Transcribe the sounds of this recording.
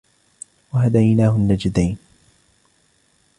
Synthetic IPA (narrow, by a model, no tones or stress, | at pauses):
waɦad̪ajnaːhʊnːad͡ʒɪd̪ajn